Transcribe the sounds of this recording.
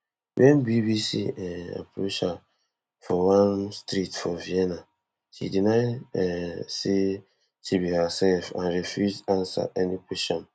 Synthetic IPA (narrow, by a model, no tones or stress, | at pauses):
wɛnbibisḭɛa̰pɾot͡ʃa | fɔwãnstɾitfɔviɛna | ʃḭdinaɪɛsi | tʰibihasɛlfã̰nɾefjuzãnsa̰ʔɛnikwɛʃɔ̃n